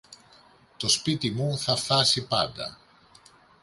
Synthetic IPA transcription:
t̪ospit̪imunθafasipad̪a̰

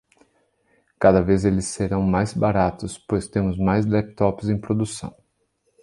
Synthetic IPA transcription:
kad̪ɐvezelɪsːeɾɐ̃w̃majzbaɾat̪ʊspojst̪ẽmʊzmajzlɛp̚t̪ɔpɪzẽj̃pɾod̪usɐ̰̃w̃

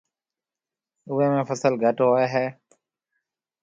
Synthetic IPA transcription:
ʊːeːmẽːfəsəlɡʱəʈɦoːeːɦɛː

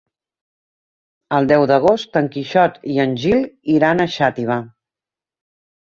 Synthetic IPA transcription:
əlˠd̪ɛwd̪əɣ̞ost̪əŋkiʃɔt̪iənʲʒiliɾanəʃat̪iβ̞a

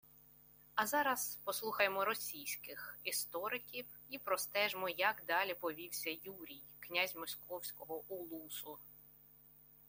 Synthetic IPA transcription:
ɐzɑɾɐspɔslˠuxɐjemɔɾɔsʲijsʲkɪxist̪ɔɾɪkʲiw | ipɾɔst̪ɛʒmɔjɐɡd̪ɑlʲipɔʋʲiwsʲɐjuɾʲijknʲazʲmɔsʲkɔwsʲkɔɦɔʔulˠusʊ

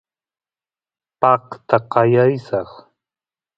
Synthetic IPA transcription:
pɑqt̪aqɑjajsɑχ

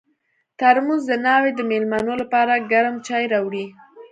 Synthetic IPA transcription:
t̪aɾmuzd̪ənɑwed̪əmelmɑnolapɑɾaɡaɾəmt͡ʃɑjɾɑwɽi

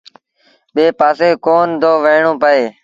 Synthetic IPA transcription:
ɓeːpaːseːkoːnd̪oːʋəɪɳõːpəeː

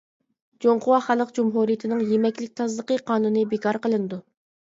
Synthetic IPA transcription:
d͡ʒoɴqʊwɑχælˠəqd͡ʒumɦuɾijɪt̪ʰɪnɨŋjemɛkʲlɪk̚ʲt̪ʰɑzlˠəqəqʰɑːnunɨbekʰɑɾqəlˠɨnɨd̪u

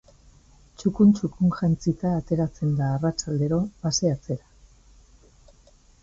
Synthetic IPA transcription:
t͡ʃukunt͡ʃukuŋʝant͡sit̪aːt̪e̞ɾat͡se̞nd̪aːrat͡ʃald̪e̞ɾo̞βaseat͡se̞ɾa

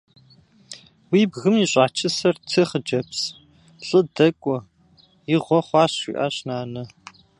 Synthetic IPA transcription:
wiːbɣɨmiɕʷʼaːt͡ʃʰɨsɐrtʰɨχəd͡ʒɐps | ɬʼɨdɐkʷʼɔ | jɪʁʷɔχʷɑːɕḭːʔa̰ːɕnaːnɐ

